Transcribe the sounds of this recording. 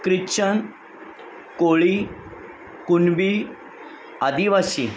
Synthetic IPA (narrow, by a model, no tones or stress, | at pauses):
kɾit͡ɕən | koɭi | kunbi | ad̪iʋasḭ